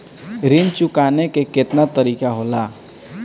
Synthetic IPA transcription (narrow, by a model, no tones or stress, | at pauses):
ɾɪnt͡ʃʊkaːnekekɪt̪nat̪əɾiːkaɦoːlaː